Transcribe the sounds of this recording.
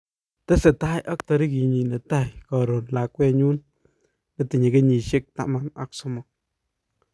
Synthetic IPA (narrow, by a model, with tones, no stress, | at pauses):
tɛ˦se˨ta˦jʔa˦ktɔ˨ɾi˦ki˨ɲi˨ne˨ta˦˨jkɔ˨ɾo˨nla˨kwɛ˦ɲu˦n | ne˦ti˨ɲi˨ɡe˦ɲi˨ʃe˦k̚ta̰˦ma˦na̰˨ksʊ˦mɔ˨